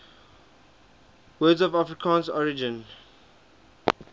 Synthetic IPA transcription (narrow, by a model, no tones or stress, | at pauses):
wɛːdzɔvafɹikʰãːnsɔɹid͡ʒɪ̃n